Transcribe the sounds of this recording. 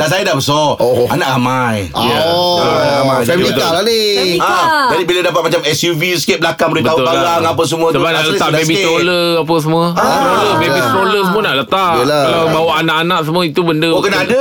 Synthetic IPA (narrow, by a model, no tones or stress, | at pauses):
das̬ajadabəsɔanaʔamajja | amãsabialaniəd͡ʒadibiladapat̪̚mat͡ʃamɛsjuviskebəlakaŋməɾibəaʊlalalaŋapəs̬əmũə̃əbanaʔət̪aʔbebit̪oləap̬əs̬əmũəoləbebist̪oləsəmũənaʔlət̪aʔəalabawaʔanaʔanãʔs̬əmũəit̪ubəndəkənaada